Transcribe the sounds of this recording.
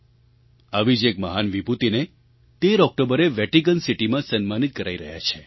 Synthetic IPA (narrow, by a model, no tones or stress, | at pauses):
aʋid͡ʒekməɦanʋibut̪ine | t̪eɾɔk̚ʈobəɾeʋɛʈik̬ənsiʈimãsənmanit̪̚kəɾaiɾəɦja̰t͡ʃʰe̥